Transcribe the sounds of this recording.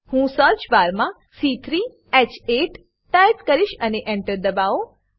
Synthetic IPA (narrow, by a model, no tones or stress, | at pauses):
hũsəɾt͡ʃbaɾmã | sit̪ʰɾi | ɛt͡ʃeʈː | ajpkəɾiʃəneʔeɳʈəɾd̪əbao